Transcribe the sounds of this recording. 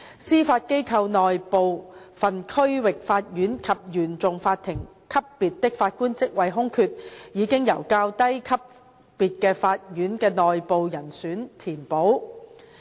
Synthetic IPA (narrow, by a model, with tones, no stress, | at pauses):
siː˥faː˧t̚ke˥jkʰɐ˧wnɔː˨jpo˨w | fɐ˨nkʰɵ˥ɥwɪ˨k̚faː˧t̚jyː˨˥nkʰɐ˨p̚jyː˨˩nt͡sʊ˨ŋfaː˧t̪̚ʰːɪ˨˩ŋ | kʰɐ˥pːiː˨t̚t̪ɪ˥k̚faː˧t̚kuː˥nt͡sɪ˥k̚wɐ˨˧jɦʊ˥ŋkʰyː˧t̚jiː˨˧kɪ˥ŋjɐ̰˨˩wkaː˧wt̪ɐ˥jkʰɐ˥p̚ː | iː˨t̚kɛː˧faː˧t̚jyː˨˥nkɛː˧nɔː˨jpo˨wjɐ˨˩nsyː˨˥nt̪ʰiː˨˩npo˨˥w